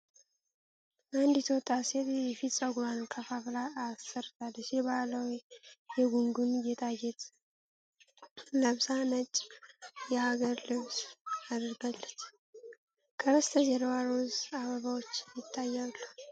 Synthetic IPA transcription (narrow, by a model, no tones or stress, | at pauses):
ʔand̪jɪt̪ʰwt̪ʼːaset̪jɛfit̪səɡuɾankʰəfaflaːsəɾt̪ʰalːəʃɛβaləwjjɛɡuŋɡunjɛt̪ʰajɛt̪ʼ | ləβsanət͡ʃʼjɛhaɡəɾlɨβsad̪ɾɡalːət͡ʃː | kʰəəst̪ʰəzɛɾwaɾozaβəβawot͡ʃːjɪt̪ʰːajːalːu